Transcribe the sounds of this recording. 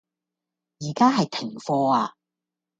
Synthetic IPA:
jiː˨˩kaː˥ɦɐ˨jt̪ʰɪ˨˩ŋfɔː˧aː˧

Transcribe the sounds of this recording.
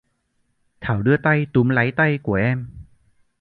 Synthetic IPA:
t̪ʰaː˨˩˦wdɯ˧˩ət̪a˧jt̪u˨˦mla˨˥jt̪a˧jku˧˩˦əʔɛː˧m

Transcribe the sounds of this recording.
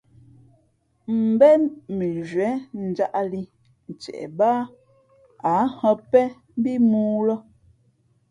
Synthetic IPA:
m̩˨bɛ˦mi˨ʒɥɛ˨˦n̩˨d͡ʒa˦ʔli˦ | n̩˨t͡ʃɛ̰˨ʔba˦ | a˨˦hɔ˦pɛ˦ | bi˦muː˦lɔ˦

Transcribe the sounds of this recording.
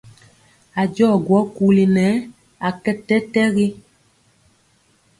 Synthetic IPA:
a˨d͡ʒɔ˦˨ɡwɔ˨˦ku˨˦li˨nɛ˨˦ | a˨kɛ˦tɛ˦tɛ˦ɣi˦

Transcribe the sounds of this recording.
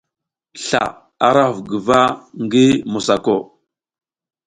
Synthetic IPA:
ɬa̰˨ | a˨ɾa˦˨vɡə˨va˦ŋɡi˦mu˨sa˨ko˦˨

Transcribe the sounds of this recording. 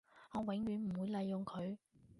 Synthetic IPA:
ŋɔː˨˧wɪ˨˥ŋɥyː˨˧nm̩˨˩wuː˨˧jlɐ˨˧jːʊ˨ŋkʰɵ˨˧ɥ

